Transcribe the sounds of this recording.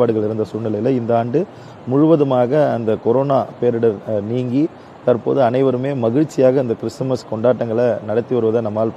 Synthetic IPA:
aːɽɯɣɐɭɪɾɯnd̪ɐsuːnɪlɐjɪlɐɪnd̪ɐaːɳɖɯ | mʊɻʊʋɐðɯmaːɣɐːnd̪ɐkɔɾoːnaːpeːɾɯɽɐɾniːŋɡi | t̪ɐɾpo̰ːðɯɐnɐɪʋɐɾɯmeːmɐɣɪɻt͡ʃːɪjaːɣɐɪnd̪ɐkɪɾɪsmɐskɔɳɖaːʈːɐŋɡɐɭɐnɐɽɐt̪ːiʋɐɾɯʋɐðɐnɐmːaːlp

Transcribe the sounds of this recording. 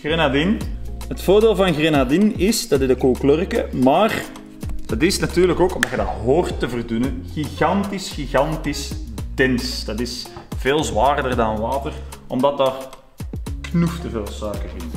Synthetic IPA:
ɣrenadinɦətfoːrdeːlˠvɑnɣrenardinɪsd̥ɑdɪdəkoklørkəmaːr | d̥ɑtɪsnɑtyːrləkoːkɔmdɑtjədɑtɦoːrtːəvərdynəɣiɣɑntisxiɣɑntisd̥ɛnsd̥ɑtɪsv̥eːlˠzʋaːrdərdɑnʋaːtərɔmdɑt̚daːr | knuftəveːlˠsœːkərvɪn

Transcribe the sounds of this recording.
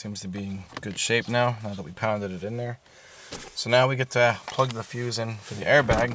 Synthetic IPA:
sĩmz̥tʰɨbiɪ̃ŋɡ̥ʊd̥ʃeɪp̚naʊnaʊðət̚wipʰãʊ̃ndɨɾɨɾɨ̃nðə˞ | soʊnaʊwiɡɛtʰɨpʰl̥ʌɡ̚ðəfjʉzɨ̃nfə˞ðiʔɛɹbæɡ

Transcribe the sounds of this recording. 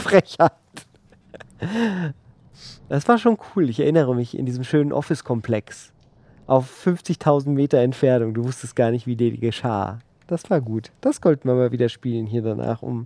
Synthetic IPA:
fʁɛça | t | d̥asv̥aːɐʃoːnkʰuːlɪçɛɐʔɪnəʁ̞əmɪçɪ̰ndiːzmʃøːnənʔɔ̰fɪskʰɔmpl̥ɛks | ʔaʊfːʏnft͡sɪçtʰaʊzn̩tmeːtɐɛntfɛɐnʊŋduːvʊstəst̚ɡ̥aːɐnɪçtv̥iːdiːɐiɡəʃa̰ː | d̥asv̥aːɐɡuːtd̥asz̥ɔltn̩viɐmaːlviːdɐʃpiːlənɦiːɐdana̰ːχʔʊ̰m

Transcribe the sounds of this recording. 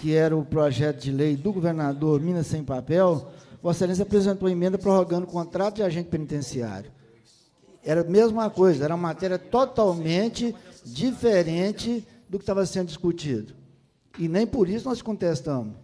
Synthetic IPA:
kɪɛɾɐʊpɾɔʒɛt̪ʊd͡ʒɪlejd̪ʊɡoveɾnad̪oɾmĩnɐssẽj̃papɛwɔsɛlẽs̬apɾezẽnt̪oɐẽmẽnd̪ɐpɾɐɦoɡɐ̃nd̪ʊkõnt̪ɾat̪ʊd͡ʒɪaʒẽnt͡ʃɪpẽnit̪ẽsia̰ɾjʊ | ɛɾɐmezmũmɐkojzɐɛɾɐũmɐmat̪ɛɾiɐt̪ot̪awmẽt͡ʃɪd͡ʒifeɾẽt͡ʃɪ | d̪ʊkɪ̥t̪avɐsẽnd̪ʊd͡ʒɪskut͡ʃid̪ʊ | ɪnẽj̃pʊɾisʊnɔskõnt̪est̪ɐ̃mʊs

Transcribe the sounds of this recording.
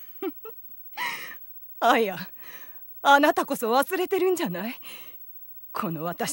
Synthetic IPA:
aja | anat̪ako̞so̞βasɨɾe̞t̪e̞ɾɯ̟̃ɲ̟d͡ʑanai | kʰo̞no̞βat̪aɕ

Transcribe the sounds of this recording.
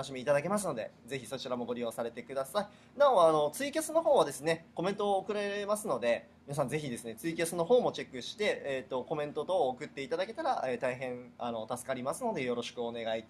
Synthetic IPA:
anoɕimʲiit̪ad̪ake̞mas̬ɨno̞d̪e̞̰ze̞çiso̞t͡ɕiɾamo̞ɡo̞ɾʲijo̞ːsaɾe̞t̪e̞kɯ̟d̪asai | nãoano̞t͡sɨikʲasɨno̞ɦo̞ːβad̪e̞sɨne̞ko̞mẽ̞nt̪o̞ːkɯ̟ɾeɾemasɨno̞d̪e̞mʲinas̬ãnd͡ze̞çid̪e̞sɨne̞t͡sɨik̬ʲasɨno̞ɦo̞ːmo̞t͡ɕe̞kːɯ̟ɕi̥t̪e̞ːt̪ːo̞ko̞mẽ̞nt̪o̞t̪o̞ːkɯ̟t̪ːe̞it̪ad̪ake̞t̪aɾaet̪aiɦẽ̞ɴano̞t̪asɨ̥kaɾʲimasɨno̞d̪e̞jo̞ɾo̞ɕi̥kɯ̟one̞ɡait̪

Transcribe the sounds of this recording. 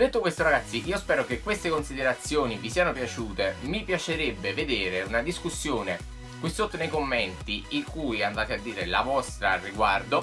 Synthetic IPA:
d̪et̪ːokwest̪oɾaɡat̪sːiʔiːospɛːɾokekːwest̪ekonsid̪eɾat̪sːjoːnivisiːanopjat͡ʃuːt̪emipjat͡ʃeɾebːeved̪eːɾeunad̪iskusːjoːne | kwisot̪ːonejkomːent̪iiŋkuːjɛand̪aːt̪ead̪ːiːɾelavɔst̪ɾarːiɡward̪o

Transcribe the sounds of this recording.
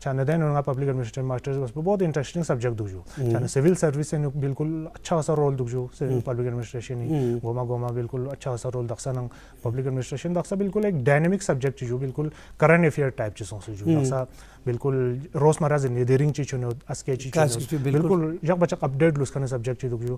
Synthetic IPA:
t͡ʃʰanɐd̪eːnunŋapɐblikɐɖminisʈɾemaːsʈɐɾsbɐsbboːt̪̬ĩɳʈɾesʈĩŋɡsɐb̚d͡ʒekʈ̚d̪ukʰd͡ʒut͡ʃanɐsiʋilsɐɾʋisenubilkulɐtːʃʰaɐsaɾoːld̪ukʰd͡ʒusipɐblikɐɖminisʈɾeːʃɐniɡoːmaɡoːmabilkulɐtːʃʰaɐsaɾoːld̪ɐksanɐŋ | pɐblikɐɖminisʈɾeːʃɐnd̪ɐksabilkulekɖaːnemiksɐbd͡ʒek̚ʈt͡ʃid͡ʒubilkul | kɐɾɐ̃ɳʈefʰiɐɾʈaːjpt͡ʃisõːsud͡ʒud̪ɐsa | bilkulɾoːsmɐɾazinid̪eɾiŋɡt͡ʃit͡ʃʰunot̪ɐsket͡ʃit͡ʃblbilkuld͡ʒɐk̚bɐt͡ʃʰɐkɐp̚ɖeːʈ̬luskʰɐnis̬ɐbd͡ʒek̚ʈt͡ʃʰid̪ukʰd͡ʒu

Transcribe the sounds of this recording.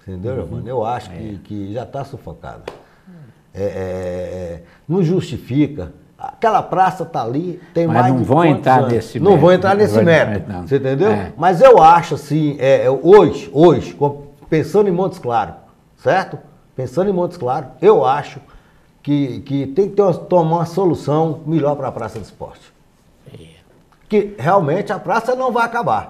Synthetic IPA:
ĩt̪ẽnd̪ewʒovmɐ̰̃newaʃʊ̥kɪkɪʒat̪asufoka̰d̪ɐ | ɛɛɛ | nɐ̃w̃ʒust͡ʃifikɐ | a̰kɛlɐpɾasɐt̪alit̪ẽj̃majnɐ̃võw̃ẽt̪t̪ɾãesɪnɐ̃w̃võw̃ẽnt̪ɾaɾnesɪmɛɾsẽt̪̬ẽd̪ewmɐzewaʃʊasĩɛoʒɪoʒɪkõ | pẽsɐ̃nd̪ẽmõnt̪ʊ̥sklaɾʊ | sɛɾt̪ʊ | pẽsɐ̃d̪ʊẽmõt̪ʊsklaɾʊewaʃʊ | kɪkɪt̪ẽj̃kɪ̥t̪eɾmɐt̪omaũmɐsolusɐ̃w̃miʎɔɾpɾɐpɾa̰sɐd̪ɪspɔ̰ɾt͡ʃɪ̥ | ɛ | kɪheawmẽt͡ʃɪɐpɾasɐnɐ̃w̃vajakaba̰ɾ

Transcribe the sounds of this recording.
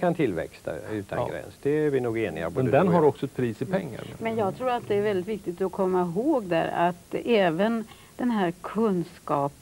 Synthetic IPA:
kʰant̪ʰɪlvɛ̰kst̪ʰa̰ʉ̟ːt̪ʰa̰ɡɾɛ̰nsd̪ɛæɾvɪnuːɡeːnɪ̰ɡa̰bmɛnd̪ɛnɦaɾɔksɔɛt̪̚pʰɾiːsɪpʰɛŋːa̰ɾmɛnjɑːɡt̪ʰɾuːɾat̪̚d̪ɛæːɾvɛld̪ɪt̪vɪkt̪ɪɡt̪ɔkʰɔmːaɪɦoːɡd̪æ̰ːɾa̰t̪ːɛːvən | d̪̥ɛnɦæːɾkʰɵnskɑːp

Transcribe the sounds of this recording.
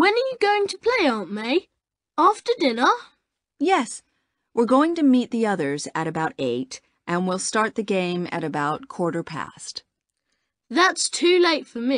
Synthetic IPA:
wɨ̃nə˞jɨɡoʊɪ̃ŋtʰəpʰl̥eɪɑˑnmeɪ | æftə˞dɪ̃nə˞ | jɛs | wɪɹɡoʊɪ̃ŋtɨmit̪̚ðiʌðə˞zɨɾɨbaʊɾeɪɾ | ʔɨ̃nwilˠstɑɹt̪̚ðɨɡẽɪ̃mɨ̰ɾɨbaʊt̚kʰw̥ɔɹɾə˞pʰæ̰st | ðætstʰʉleɪtfə˞mi

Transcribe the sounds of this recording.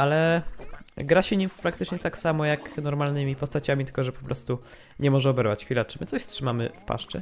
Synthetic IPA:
alɛ | ɡɾaɕɛɲimpɾakt̪ɘt͡ʂɲɛt̪aksamɔjaknɔɾmalnɘmʲipɔst̪at͡ɕamʲit̪ɘlkɔʐɛpɔ̥pɾɔst̪u | ɲɛmɔʐɛɔbɛɾvat͡ɕxfʲilat͡ʂɘmɘt̪sɔɕstʂɘmamɘ̰fpa̰ʂt͡ʂɛ̰

